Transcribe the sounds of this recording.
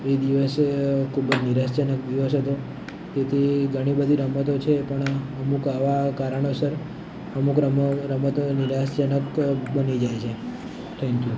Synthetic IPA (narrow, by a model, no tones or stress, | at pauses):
ʋed̪iʋəsekʰubəd͡ʒniɾasd͡ʒənəkd̪iʋəsɦət̪o | d͡ʒet̪ʰiɡʱəɽ̃ibəd̪ʱiɾəmət̪ot͡ʃʰepəɳəmukaʋakaɾəɳosəɾ | əmukɾəɾəmət̪oniɾasd͡ʒənəkbənid͡ʒajt͡ʃʰe | t̪ʰɛ̃ŋkju